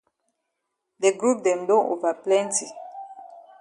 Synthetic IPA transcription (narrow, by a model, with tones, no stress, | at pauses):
de˨ɡɹu˦p̚dɛ̃˨mdõ˦no˨va˨plɛ̃˦nti˨